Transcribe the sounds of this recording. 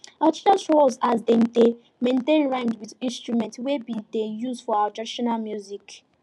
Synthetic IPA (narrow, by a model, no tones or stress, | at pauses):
atitãsɹolzazden̩de | mẽntẽnɹãndwidĩnstɹumɛ̃ntwebidejuzdfɔaatɹadiʃɔnalmjuzik